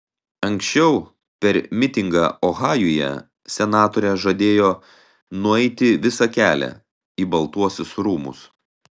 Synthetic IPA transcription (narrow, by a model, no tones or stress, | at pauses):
ɐŋʲksʲt͡ʃʲɛʊ | pʲɛɾmʲɪt̪ʲɪŋɡɑɔɣɑːjʊjɛ̰ | sʲɛnɑːt̪oːɾʲɛʒɐd̪ʲeːjoː | nʊɛɪt̪ʲɪʋʲɪsɐkʲæːlʲɛ̰ | iːbɐlˠt̪uɔsʲʊsɾuːmʊ̰s